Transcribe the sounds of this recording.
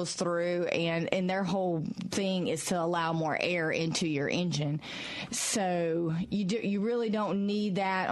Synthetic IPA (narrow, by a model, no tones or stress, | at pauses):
lˠz̥θɹʉɨ̃nɨ̃nðə˞ɦoʊlˠθɪ̃ŋɪz̥tʰəəlaʊmɔɹʔɛɹɪ̃ntʰʉjə̰˞ʔɛ̃nd͡ʒɨ̃n | soʊjɨdjɨɹɪlˠidõʊ̃nːid̪̚ðɨɾ